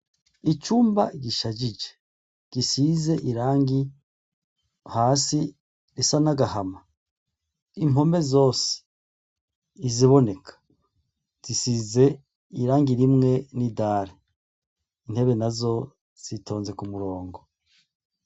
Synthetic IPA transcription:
it͡ʃuːmba̰ɟiʃad͡ʒid͡ʒe | ɡ̥isize̞ʔiɾaːŋɡi | haːsi | ɾisanaɡahama | imo̞me̞zo̞ːse̥ | iziβo̞ne̞kʰḁ | z̥isiːze̞ | iɾaːŋɡiɾimŋe̞nidaːɾe | in̥he̞βe̞nazo̞ | z̥itʰo̞ːnze̞kumuɾoːŋɡo

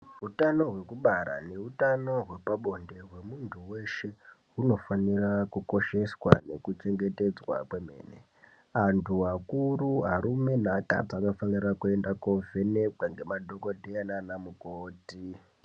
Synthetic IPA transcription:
rutano̞ɦwe̞kuɓaɾa̰ne̞utano̞ɦwe̞paɓo̞nde̞ɦwe̞muntʰuwe̞ʃe̞ɦuno̞fanirakuko̞ʃe̞swa̰ne̞̰kut͡ʃe̞ŋɡe̞te̞d͡zwa̰kweme̞̰ːne | antʰuakuruɦaɾume̞nata̰pakafanirakue̞ndakovenekaŋɡe̞madʱokodʱeananamukoːti

